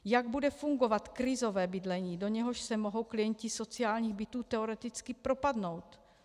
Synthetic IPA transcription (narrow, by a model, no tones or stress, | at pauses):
jaɡ̚budɛfuŋɡo̞vat̪kɾɪzo̞vɛːbɪdlɛɲiːdo̞ɲɛɦoʃsɛmo̞ɦo̞wklɪjɛɲcɪso̞t͡sɪjaːlɲiːɣbɪt̪uːt̪ɛoɾɛt̪ɪt͡skɪpɾo̞padno̞wt̪